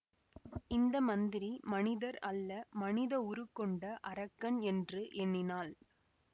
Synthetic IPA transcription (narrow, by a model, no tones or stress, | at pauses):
ɪnd̪ɐmɐnd̪ɪɾimɐnɪðɐɾɐlːɐmɐnɪðɐʊɾɯkːɔɳɖɐʔɐɾɐkːɐnɛndrɯʔɛnːɪnaːl